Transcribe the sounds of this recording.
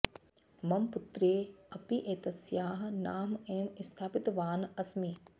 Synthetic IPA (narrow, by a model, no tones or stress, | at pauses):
mɐmput̪ɾeːɐpiʔeːt̪ɐsjaːɦnaːmeːmist̪ʰaːpit̪ʋaːnɐsmiː